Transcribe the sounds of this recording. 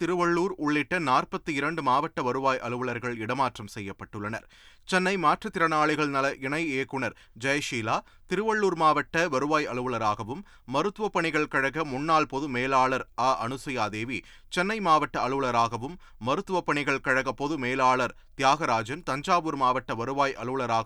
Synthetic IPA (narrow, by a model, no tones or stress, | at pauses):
t̪ɪɾɯʋɐɭːuːɾʊɭːɪʈːɐnaːrpɐt̪ːɯɪɾɐɳɖɯmaːʋɐʈːɐʋɐɾɯʋaːjʔɐɭɯʋɐɭɐɾɣɐɭɪɽɐmaːʈrɐmsɛjːɐpːɐʈːɯɭːɐnɐ̰ɾ | t͡ʃɛnːɐɪmaːʈrɐt̪ɪɾɐnaːɭɪɣɐɭnɐlɐʔɪɳɐɪeːkːɯɳɐɾ | d͡ʒɐjɐʂiːlaː | t̪ɪɾɯʋɐɭːuːɾmaːʋɐʈːɐʋɐɾɯʋaːjɐɭɯʋɯɭɐɾaːɣɐʋɯmː | ɐɾɯt̪ːɯʋɐpːɐɳɪɣɐɭkɐɻɐɣɐmʊnːaːɭpɔðɯmeːlaːɭɐɾaːʔɐɳɯsɐjaːd̪eːʋi | t͡ʃɛnːɐɪmaːʋɐʈːɐɐɭɯʋɯɭɐɾaːɣɐʋɯmː | ɐɾɯt̪ːɯʋɐpːɐɳɪɣɐɭkɐɻɐɣɐpːoðɯmeːlaːɭɐɾ | t̪jaːɣɐɾaːd͡ʒɐnt̪ɐɲd͡ʒaːʋɯɾmaːʋɐʈːɐʋɐɾɯʋaːjʔɐ̰ɭɯʋɯɭɐɾaːɣ